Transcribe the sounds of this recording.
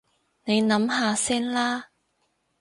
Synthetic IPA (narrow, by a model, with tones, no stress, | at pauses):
ne˨˧jnɐ˨˥mɦaː˧sɛː˥nlaː˥